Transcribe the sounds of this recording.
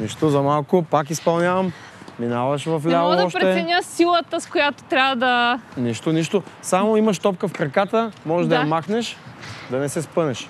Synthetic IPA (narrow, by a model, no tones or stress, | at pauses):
niʃt̪ozɐmalˠkʊpakispɐlˠnʲjavɐm | minavɐʃvɐflʲalˠoɔʃpɾɛɛɛnʲasilˠət̪əskojat̪o̥t̪ɾʲabɐd̪ɐniʃt̪oniʃt̪osamoimɐʃt̪ɔp̚kəfkɾɐkat̪əmɔʒɛʒd̪ɐjɐmaxnɛʃd̪ɐnɛsɛspɤnɛʃ